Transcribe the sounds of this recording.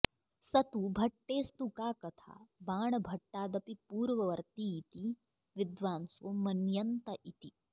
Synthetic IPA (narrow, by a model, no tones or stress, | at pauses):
sɐt̪ubʱɐʈːeːst̪ukaːkɐt̪ʰa̰ːbaːɳɐbʱɐʈːaːd̪ɐpipuːɾʋɐʋɐɾt̪iːt̪i | ʋɪd̪ʋaːnsomɐnjɐnt̪ɐʔit̪i